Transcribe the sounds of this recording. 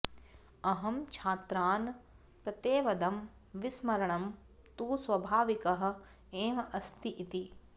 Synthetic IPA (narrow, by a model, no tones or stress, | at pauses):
ɐɦɐmt͡ʃʰaːt̪ɾaːn | pɾɐt̪eːʋɐd̪ɐm | ʋismɐɾɐɳɐm | t̪uːsʋɐbʱaːʋikɐɦɐ̆ | eːmɐɐst̪iʔit̪i